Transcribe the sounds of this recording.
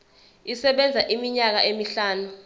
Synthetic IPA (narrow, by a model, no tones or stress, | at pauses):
isɛɓɛnd͡zʱaʔimiɲak̬aʔemiɬaːnu